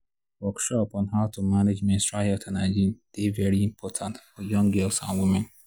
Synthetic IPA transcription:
wɔkʃɔpɔ̃nɦaʊtʰumaned͡ʒmẽnstɹaɔtʰanaɪd͡ʒĩd̥evɛɹiĩmpʰɔtʰãntfɔjɔ̃ŋɡɛlsã̰nwimɛ̃n

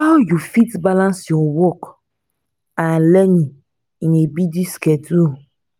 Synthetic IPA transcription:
awjufitbalãnsiwɔwɔk | ãnlɛɲĩ | nebidiskɛduo

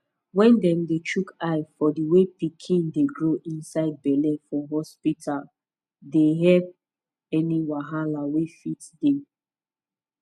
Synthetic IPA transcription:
wɛ̃ndɛ̃mdet͡ʃukaɪfɔdiwepikʰĩndeɡɹoʔĩnsaɪd̚bɛlɛ̃fɔɦɔspitʰal | deɦɛp̚ | ɛniwaɦalawefitdɛ

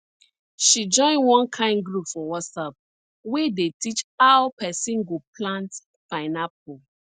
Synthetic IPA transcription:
ʃid͡ʒɔ̃ɪ̃nwɔ̃nkʰãɪ̃ndɡɹupfɔwɔsap̚ | wedetit͡ʃaʊpɛsĩnɡopʰlãnt | paɪnap̚o

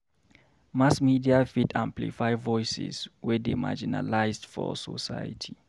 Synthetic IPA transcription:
masmidiafitʰãmplḭfajvɔjsḭzwɛdema̰d͡ʒina̰lajzdfɔ̰sɔ̰sa̰ja̰tʰi

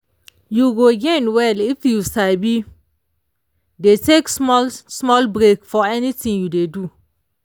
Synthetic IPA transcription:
juɡoɡẽnwɛlifjusaɪbi | deteksɔsmɔlbɾekfɔɛnitĩŋjudedu

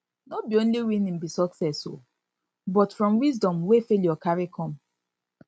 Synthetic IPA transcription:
nobiõnliwinĩm̩bisɔksɛso̰ | bɔtfɹɔ̃mwizdɔ̃mwefeljɔkaɹikʰɔ̃m

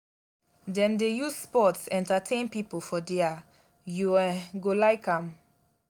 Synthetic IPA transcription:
dɛ̃mdejuzspɔtsɛ̃ntatʰẽnpipolfɔdɛa | juɛɡolaɪkãm

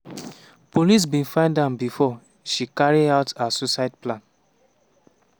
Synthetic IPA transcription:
polis̬bĩnfãɪ̃ndãmbifɔ | ʃikaɹiaʊtasosatplãn

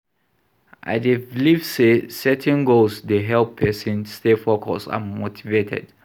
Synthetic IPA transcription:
ʔa̰devlivsesɛtʰɛ̃nɡolsdeɦɛlppʰːɛsɛ̃nstefɔkʰɔ̰sa̰motʰivetʰɛ̰d

